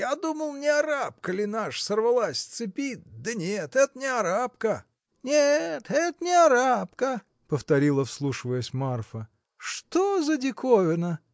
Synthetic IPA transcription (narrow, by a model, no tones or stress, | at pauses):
jad̪uməlˠnʲɪaɾap̚kəlʲɪnaʂsərvɐlˠasʲt̪sɨpʲit̪̚ʲd̪ənʲet̪ɛt̪ənʲɪɐɾap̚kə | nʲet̪ɛt̪ənʲɪaɾapkə | pəft̪ɐɾʲilˠəfslˠuʂɨvəjəsʲmarfə | ʂt̪ozədʲɪkovʲɪnə